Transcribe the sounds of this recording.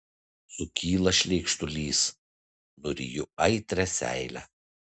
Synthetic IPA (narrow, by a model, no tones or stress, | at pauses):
sʊkʲiːlˠɐʃʲlʲɛɪkʃt̪ʊlʲiːs | nʊɾʲɪ̰jʊɐɪt̪ʲɾʲɛsʲæ̰ɪlʲæ̰